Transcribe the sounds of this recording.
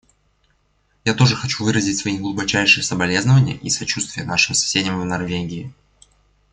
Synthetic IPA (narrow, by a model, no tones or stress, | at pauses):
jat̪o̞ʐɨxɐt͡ɕuvɨɾəzʲɪtʲsvɐiɡlˠʊbɐt͡ɕæjʂɨjəsəbɐlʲe̞znəvənʲɪjə̰ʔisɐt͡ɕust̪vʲɪjənaʂɨmsɐ̥sʲedʲɪmvnɐrvʲeɡʲɪɪ